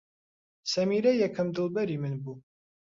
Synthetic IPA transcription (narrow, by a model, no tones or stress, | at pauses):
sɐmiːɾɐjɛkʰɐmd̪ɨlˠbɐɾiːmɨnbuː